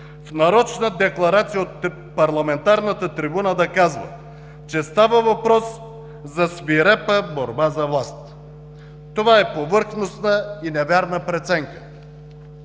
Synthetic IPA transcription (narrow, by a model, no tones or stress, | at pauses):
fnɐɾɔt͡ʃnəd̪ɛklˠɐɾat̪sijəot̪ | pɐɾlˠɐmɛnt̪aɾnət̪ət̪ɾibunad̪ɐkazvə̰ | t͡ʃɛst̪avəvɐpɾɔs | zɐsviɾɛpəboɾbazɐvlˠast̪ | t̪ovaɛpovɤɾxnosnəinɛvaɾnəpɾɛt̪sɛŋkə